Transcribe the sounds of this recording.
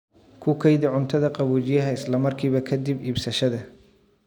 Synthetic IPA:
kʰʊkʰɐjd̪ɪʕʊnt̪ʰɐðɐqɑβuːt͡ʃɪjɐɦɐɪslɐmɐrkʰiːβɐkʰɐd̪ibiːbsɐʃɐðɐ

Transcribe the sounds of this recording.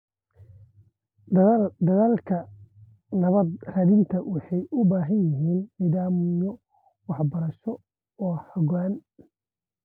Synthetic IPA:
d̪ɐðaːlkʰɐ | nɐβɐd̪rɐðɪnt̪ʰɐwʔɑħɑjʊbaːɦɐnjɪɦiːnniːðaːmjɔ | wɑħbɐɾɐʃɔ | ɔːhɐɣaːn

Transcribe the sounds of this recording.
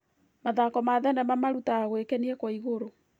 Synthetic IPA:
maðakɔmaðɛnɛmamaɾutaɣwekɛniɛkwaiɣoɾo

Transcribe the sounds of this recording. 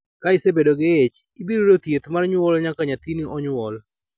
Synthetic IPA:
kaɪsebedoɡeet͡ʃ | ibiɾoɾot̪jet̪marɲwɔlɲakaɲat̪iniɔɲwɔl

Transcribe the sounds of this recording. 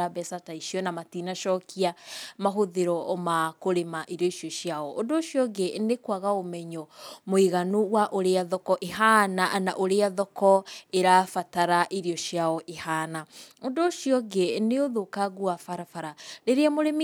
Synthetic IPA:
abɛsataiʃiɔnamatinaʃɔkʰiamaɦoðeɾɔmakoɾemaʔiɾiɔiʃiɔʃjaɔondoːʃjɔɡenekwaɣaomɛɲɔmoiɣanuwaʔoɾeaðɔkɔʔeɦanaʔnaʔoɾeaðɔkɔeɾafataɾaʔiɾiɔʃjaɔʔehanaondoːʃjɔɡeneoðokaɣuafaɾafaɾaɾeɾeamoɾem

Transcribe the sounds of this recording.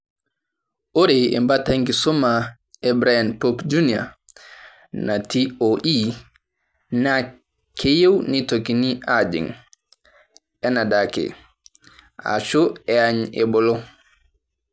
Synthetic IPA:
ʔoɾejɛ̰mbataŋɡisɔma | ɛbɾajanpopd͡ʒunija̰ | natioʔi | na | kʰejewnitokiniʔad͡ʒḭŋ | ɛnadakɛ̰ | a̰t͡ʃɔɛaɲɛbɔlɔ

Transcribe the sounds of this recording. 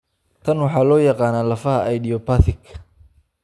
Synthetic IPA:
t̪ʰɐnwɑħɑːlɔːjɑqɑːnaːlɐfɐɦɐʔɐjd̪iɔpaθɪkʰːɐ̥

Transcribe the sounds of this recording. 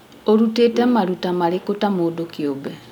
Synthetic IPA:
oɾutetɛmaɾutamaɾekotamoːdokjobɛ

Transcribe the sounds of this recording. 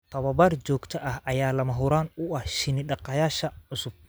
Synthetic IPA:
t̪ʰɐβɐbɐrd͡ʒɔːɡt̪ʰɐʔɐhʔɐjaːlɐmɐɦʊɾaːnʊʔɐhʃɪnɪɗɑqɐjaːʃɐʕʊsʊb̥̚

